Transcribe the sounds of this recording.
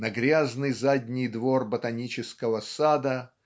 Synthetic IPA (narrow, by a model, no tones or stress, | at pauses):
nɐɡɾʲaznɨjzadʲnʲɪjd̪vorbət̪ɐnʲit͡ɕɪskəvəsad̪ə